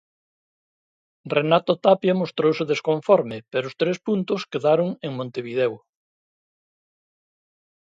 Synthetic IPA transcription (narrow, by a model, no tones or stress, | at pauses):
renat̪ot̪apjamost̪ɾowseðeskoɱfɔɾmɪpeɾʊst̪ɾespunt̪ʊskeðaɾoŋeŋmõnt̪eβiðɛw